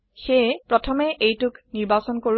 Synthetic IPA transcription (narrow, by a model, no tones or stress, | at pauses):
xejpɹɔtʰɔmɛʔejtʊkniɹbasɔnkoɹ